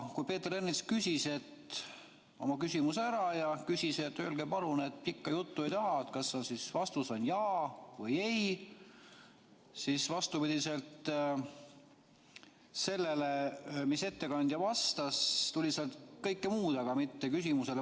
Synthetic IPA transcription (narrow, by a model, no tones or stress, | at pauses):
kujpe̞ːt̪eɾenːit̪skysʲise̞t̪ | o̞̰mɑkysʲimuseæɾɑjɑkysʲise̞t̪ːøːlɡepɑlunet̪̚ˑpikːɑjut̪ːuejt̪ɑɦɑet̪̚kɑsːonsisvɑst̪usonjɑːvɤje̞j | sisvɑst̪upid̪̥ise̞lt̪ | se̞lːele̞mise̞t̪ːe̞kɑnʲd̪̥jɑvɑst̪ɑst̪ulʲiseɑlt̪kɤ̞jkːemuːd̪̥ɑɡ̥ɑmit̪ːe̞kysimuse̞l